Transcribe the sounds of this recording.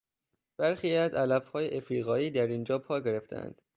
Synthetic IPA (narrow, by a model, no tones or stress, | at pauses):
b̥æɾxiːæzælæbhɒːjeʔefɾiːɣɒːiːd̪æɾind͡ʒɒːpʰɒːɟeɾe̞ft̪ʰæ̰nd̪̥